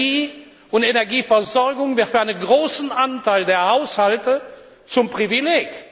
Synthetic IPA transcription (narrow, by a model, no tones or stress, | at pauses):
iː | ʊntenɛɐɡiːfɛɐzɔʁɡʊŋvɪɐtfyːɐaɪnənɡʁoːsn̩ʔantaɪldeːɐhaʊshaltə | t͡sʊmpʁ̥ivileːk